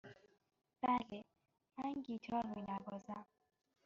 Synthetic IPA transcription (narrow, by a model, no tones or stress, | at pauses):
b̥æle | mænɟit̪ʰɒɾmunæbɒːzæm